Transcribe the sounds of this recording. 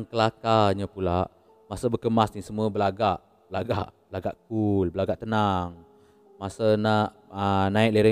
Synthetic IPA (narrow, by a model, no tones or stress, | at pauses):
ŋkəlakaɲəpulaʔ | masəbəkəmasnisəmuəbəlaɡaʔ | bəlaɡaʔbəlaɡaʔkulbəlaɡaʔt̪ənaŋ | masanaʔ | ənãɪʔləɾə